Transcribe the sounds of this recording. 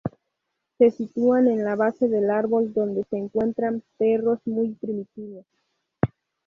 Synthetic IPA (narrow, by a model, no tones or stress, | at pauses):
se̞sit̪uane̞nlaβase̞ðe̞laɾβo̞ld̪o̞nd̪e̞se̞ːŋkwe̞nt̪ɾampe̞ro̞zmujpɾimit̪iβo̞s